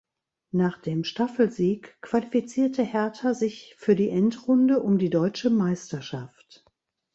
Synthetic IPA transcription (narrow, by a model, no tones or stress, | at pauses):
naːχd̥eːmʃtafl̩ziːkkv̥alifit͡siːɐtəhɛɐtʰɐzɪçfyːɐdiːʔɛntʁʊndəʔʊmdiːdɔʏt͡ʃəmaɪstɐʃaft